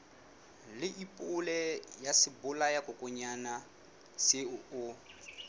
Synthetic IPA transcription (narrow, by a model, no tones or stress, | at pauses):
lɪʔipʼʊlɛjasɪbʊlajakʼʊkʼʊɲana | sɪʊ